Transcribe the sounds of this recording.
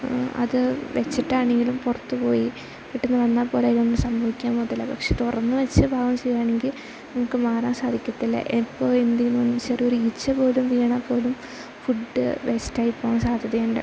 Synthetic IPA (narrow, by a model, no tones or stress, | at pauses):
ɐ̰ðɨʋet͡ɕːiʈːaːɳeŋɡilumpurɐt̪ːɨpo̞̰ːji | kiʈːunːɨʋɐnːaːpːo̞ːlaːjilonːɨsɐmbʱɐʋikʲːaːmpoðɐlːɐpɐkʂet̪urɐnːɨʋet͡ɕːɨbʱaːɣɐmt͡ɕejaːɳe̞ŋɡil | nɐmukːɨmaːraːnsaːd̪ʱikʲːɐt̪ːilːɐ̰ʔipːo̞ːend̪ɐjinːɨɐnt͡ɕːeːrioɾit͡ɕːɐpo̞ːlumʋiːɳapːo̞ːlum | fuɖɨʋestaːjipːoːɐmsaːd̪ʱjɐðɐjuɳɖɨ̰